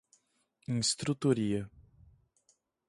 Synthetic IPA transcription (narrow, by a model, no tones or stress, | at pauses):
ĩst̪ɾut̪oɾiɐ